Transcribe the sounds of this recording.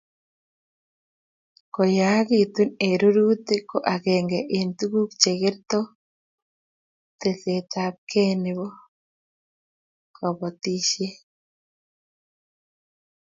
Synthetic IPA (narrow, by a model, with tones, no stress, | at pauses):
ko˨ja˦ɣi˨tu˦ne˨ɾuɾu˦te˦ko˦ʔaɣɛːŋɡɛʔentuɣu˦kt͡ʃeɣe˦ɾto | tesetap̚kʰe˦neβo | kɔ˨βɔti˦ʃje˦